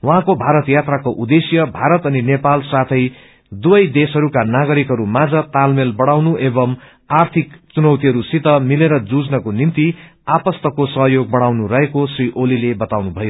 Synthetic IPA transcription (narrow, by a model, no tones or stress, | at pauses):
wʌɦãkobʱaɾʌt̪jat̪rakoʔud̪esjʌbʱaɾʌt̪ʌninepalsat̪ʰʌj | d̪ubʌjd̪esɦʌɾukanaɡʌɾikɦʌɾumad͡zʌt̪almelbʌɽawnuʔebʌm | art̪ʰikt͡sunʌwt̪iɦʌɾusit̪ʌmileɾʌd͡zud͡znʌkonimt̪iapʌst̪ʌkosʌɦjoɡ̚bʌɽ̃awnuɾʌɦekosriʔolilebʌt̪awnubʱʌjo